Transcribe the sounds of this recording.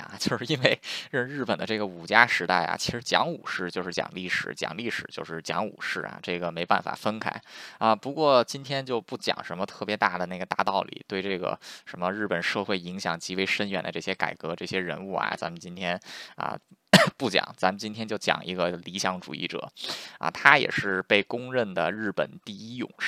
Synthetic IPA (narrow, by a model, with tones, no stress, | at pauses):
a̰˩t͡ɕjo˥˧ʊʂɻ̩˥˧i˥nwe˥˧ɪɻə˥˧ɻ̩˥˩pə˨˩nd̪ə˦ʈ͡ʂɤ˥˩ɡə˩u˨˩t͡ɕja˥ʂɻ̩˧˥t̪a˥˩ɪa̰˩t͡ɕʰi˧˥ʂɻ̩˧˥t͡ɕjɑ̰˧˥ŋṵ˨˩ʂɻ̩˥˩t͡ɕjo˥˧ʊʂɻ̩˥˩t͡ɕjɑ̰˨˩ŋli˥˩ʂɻ̩˨˧˩t͡ɕjɑ̰˨˩ŋli˥˩ʂɻ̩˨˩t͡ɕjo˥˧ʊʂɻ̩˥˩t͡ɕjɑ̰˧˥ŋṵ˨˩ʂɻ̩˥˩ɐ̰˨˩ʈ͡ʂɤ˥˩ɡə˩me˧˥ɪpa̰˥˩nfa̰˨˩fə˥nkʰa˥˩˥ɪə˧pu˧˥kwɔ˥˩t͡ɕi˥nt̪ʰjɛ˥nt͡ɕjo˥˧ʊpu˥˩t͡ɕjɑ̰˨˩ŋʂə˧˥nmə˧t̪ʰɤ˥˩pjɛ˧˥t̪a˥˩d̪ə˩na˥˩ɡə˩t̪a̰˥˧t̪ɑ˥˩ʊlḭ˨˩t̪we˥˧ɪʈ͡ʂɤ˥˩ɡə̰˩ʂə˧˥nmə˧ɻɻ̩˥˩pə˨˩nʂɤ˥˧xwe˥˩ɪi˧˥ŋɕjɑ̰˨˩ŋt͡ɕi˧˥we˧˥˩ɪʂə˥nɥɛ̰˨˩nd̪ə˦˧ʈ͡ʂɤ˥˩ɕjɛ˥ka̰˨˩ɪkɤ˧˥ʈ͡ʂɤ˥˩ɕjɛ˥ɻə̰˧˥nu˥˩ɐ̰˨˩t͡sa˧˥mə˨˧nt͡ɕi˥nt̪ʰjɛ˥nə̰˧pu˥˩t͡ɕjɑ̰˨˩˦ŋt͡sa˧˥mə˨nt͡ɕi˥nt̪ʰjɛ˥nt͡ɕjo˥˩ʊt͡ɕjɑ̰˨˩ŋʔi˧˥ɡə˧li˧˥ɕjɑ˧˥ŋʈ͡ʂṵ˨˩ḭ˥˩ʈ͡ʂɤ̰˨˩˦ɐ̰˧˩t̪ʰa˥jɛ̰˨˩ʂɻ̩˥˧pe˥˩ɪkʊ˥ŋɻə˥˩nd̪ə˩ɻɻ̩˥˩pə̰˨˩nt̪i˥˧i˥jʊ̰˨˩ŋʂ